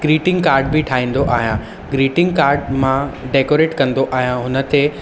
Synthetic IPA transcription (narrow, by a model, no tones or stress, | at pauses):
ɡ̥ɾiːʈɪ̃ŋɡkaːɾɖ̚bɪʈʰaːɦĩːn̆d̪oʔaːɦjã | ɡɾiːʈɪ̃ŋɡkaːɾɖmãɖeːkoːɾeːʈkɐ̃nd̪oʔaːɦjãɦʊnə̆t̪e